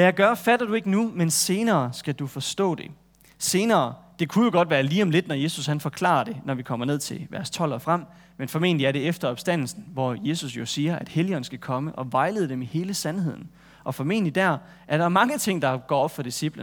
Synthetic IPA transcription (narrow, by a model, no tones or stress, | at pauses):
ʋæjɑɪɡ̥ɶɐfæd̥ɐd̥ue̝ɡ̥ənumense̝ːnɐːsɡ̥æd̥ufɒ̽sd̥ɔ̰ːd̥e̝ | se̝ːnɐːd̥e̝kʰujo̝ɡ̥ɒ̽d̥ʋæːɐliːɒ̽mle̝d̥nɒje̝ːsushænfɒ̽kʰlɑ̰̈ːɐd̥e̝nɒʋikʰɒ̽m̰ɐne̝ð̞̰ˠt͡sʰe̝lʋæɐst͡sʰɒ̽l̰ɒfʁam̰ | menfɒ̽me̝̰ːn̩liæɐɾe̝efd̥ɐɒ̽b̥sd̥æn̰l̩sn̩ʋɒje̝ːsusjo̝siːɐʔæd̥heliɒ̽n̩sɡ̥ækʰɒ̽məʔɒ̽ʋɑ̈ɪle̝ðˠd̥emihe̝ːləsænhe̝ð̞̰ˠn̩ | ʔɒ̽fɒ̽me̝̰ːnlid̥æɐ̰ | ʔæɐɾ̥ɑ̈æɐmɑ̈ŋət͡sʰe̝ŋ̰d̥ɑ̈ɡ̥ɒ̰ːɒ̽b̥fɒ̽d̥isib̥lən